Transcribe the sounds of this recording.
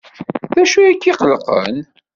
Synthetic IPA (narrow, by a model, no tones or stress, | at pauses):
ðæʃujækːiqəlqə̰n